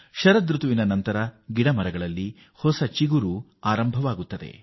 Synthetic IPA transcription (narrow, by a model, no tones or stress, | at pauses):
ʃɐɾɐd̪ɾut̪uʋinɐnɐnt̪ɐɾɐɡiɽɐmɐɾɐɡɐɭɐlːi | hɔsɐt͡ʃiɡuɾu | aːɾɐmbʱɐʋaːɡut̪ːɐd̪e̞̰